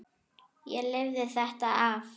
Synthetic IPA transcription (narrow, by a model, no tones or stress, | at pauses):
jɛlɪvðɪθɛht̪aaf